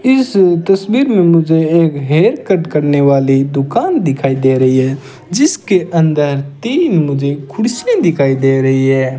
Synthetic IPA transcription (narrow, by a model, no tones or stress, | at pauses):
ɪst̪əsbiːɾmẽmʊd͡ʒʱeeːkɦeːɾkəɖkəɾneʋaːlid̪ʊkaːnd̪ɪkʰaːid̪eɾəɦiɦɛ | d͡ʒɪskeʔə̃nd̪əɾt̪iːnmʊd͡ʒʱekʰʊɽsẽd̪ɪkʰaːid̪eɾəɦiɦɛː